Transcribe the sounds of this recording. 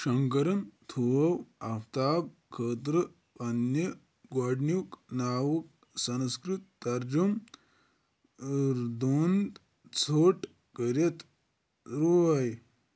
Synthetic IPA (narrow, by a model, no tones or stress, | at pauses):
ʃɐŋkɐɾɐnt̪ʰuɐwɐft̪aːb̚kʰəːt̪ɾɨ | ɐnjɐ | ɡaːɖnuknaːwɐk̚ | sɐnskɾut̪̚ːɐɾd͡ʒum | ɾd̪uːnd̪ | t͡sʰoːʈ | kəɾɐt̪ | ɾuɐj